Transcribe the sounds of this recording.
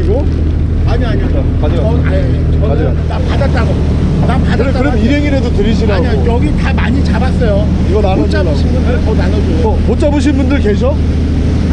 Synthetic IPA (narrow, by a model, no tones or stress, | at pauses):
iɡo | aɲiaɲia | aɲʌna̰e | ʌ | napadat̚t͈aɡo | napadkaɾeaɯɾeiɾɦe̞ŋiɾedotɯɾiɕ̬ʰiɾaɲiojʌɡitamaɲit͡ɕabas͈ʌjo | iɡʌnanoaboɕʰinbundɯɭtʌnanʌd͡ʑoʌmot͡ɕ͈aboɕ̬ʰinbundɯɭkeɕ̬ʰʌ